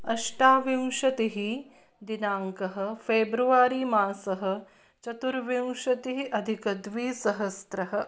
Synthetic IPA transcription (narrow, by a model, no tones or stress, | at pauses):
ɐʃʈaːʋiwʃɐt̪iɦi | d̪inaːŋkɐɦɐ̆fʰeːbɾuʋaːɾiːmaːsɐɦɐ̆ | t͡ʃɐt̪uɾʋiwʃɐt̪iɦiʔɐd̪ʱikɐd̪ʋiːsɐɦɐst̪ɾɐɦɐ̆